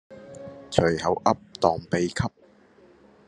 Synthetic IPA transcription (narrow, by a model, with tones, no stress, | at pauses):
t͡ʃʰɵ˨˩ɥhɐ˨˥wʔɐ˥p̚t̪ɔː˨˩ŋpe˨jkʰɐ˥p̚